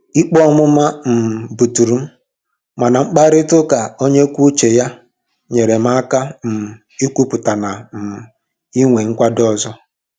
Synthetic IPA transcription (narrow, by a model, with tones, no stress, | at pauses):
i˦k͡pɔ˦mʊ˦ma˦m̩˨bu˨tu˨ɾu˨m̩˦ | ma˨na˨ŋ͡m̩˦k͡pa˦ɾɪ˦tʊ˦ka˨o˦ɲe˦kʷu˦t͡ʃe˨ja˦ | ɲe˨ɾe˨m̩˦a˦ka˦m̩˨ | i˦kʷu˦pʊ˨ta˨na˨m̩˨ | i˦ŋʷe˨ŋ̩˦kʷa˦dɔ˦˨zɔ˦